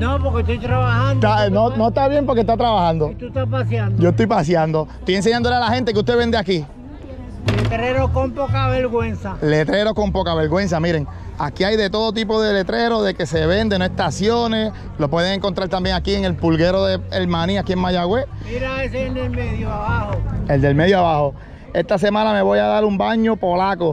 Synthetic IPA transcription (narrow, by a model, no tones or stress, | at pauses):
nopoɾket̪ojt̪ɾaβahãnd̪anonoest̪aβje̞mpo̞ɾkest̪at̪ɾaβahãnd̪ot̪ut̪apasjand̪d͡ʒoest̪ojpasjand̪o̞est̪ojens̬e̞ɲand̪olealahe̞nt̪e̞k̬eust̪e̞βe̞nd̪eaki | let̪ɾeɾohkompokaβeɾɣwensale̞t̪ɾe̞ɾo̞hko̞mpo̞kaβe̞ɾɣwe̞ns̬amiɾe̞ŋ | akiajðe̞t̪o̞ðot̪̬ip̬o̞ðe̞le̞t̪ɾe̞ɾo̞ðe̞ke̞seβe̞nd̪e̞noest̪asjones | lopwe̞ðeŋeŋkont̪ɾaɾt̪ambjeŋakieŋe̞lpulɣe̞ɾo̞ðeelmãniakieŋmajaɣwe | miɾaβeseeld̪elmeðjoaβahoeld̪e̞lmeðjoaβaho̞ | e̞st̪as̬e̞mãname̞βo̞jaðaɾumbaɲo̞po̞lako